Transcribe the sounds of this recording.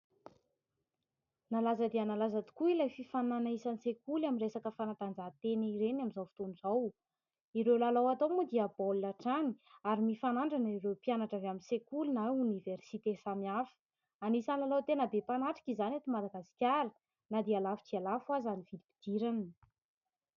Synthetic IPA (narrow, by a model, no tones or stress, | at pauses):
nalazəd̪eənalazat̪u̥kuilajfifananaisanisekulaminresakəfanad̪and͡zat̪eniɾenamizawfi̥t̪onizaw | iɾewlalawat̪omud̪iabolːaʈ͡ʂani̥aɾimifanaɳɖ͡ʐanirewpjanaʈ͡ʂaveaminsekulinaunivɛrsit̪esamiafə̥ | anisanlalawt̪enəbepanaʈ͡ʂḁkizanat̪imad̪aɡasi̥kʲjaɾə | nad̪ealafi̥t͡sialafuazaniv̥id̪i̥pi̥d̪̥iɾan